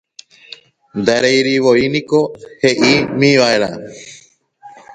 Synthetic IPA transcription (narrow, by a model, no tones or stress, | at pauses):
nd̪aɾejɾiʋoinĩkoheʔimĩʋaeɾa